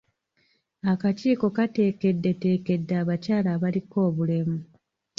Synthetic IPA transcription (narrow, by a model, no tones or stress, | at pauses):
akaciːko̞kate̞ːke̞dːe̞te̞ːke̞dːaːβacaːlaːβaliko̞ːβule̞mu